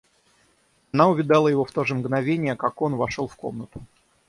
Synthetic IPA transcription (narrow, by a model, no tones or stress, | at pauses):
ɐnaʊvʲɪd̪ɑlˠəjɪvo̞ft̪oʐɨmɡnɐvʲenʲɪjəkako̞nvɐʂolˠfko̞mnət̪ʊ